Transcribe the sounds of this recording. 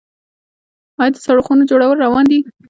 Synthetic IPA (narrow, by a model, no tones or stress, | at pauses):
ɑjɑd̪əsaɽoxunod͡ʒoɽawəlɾawɑnd̪i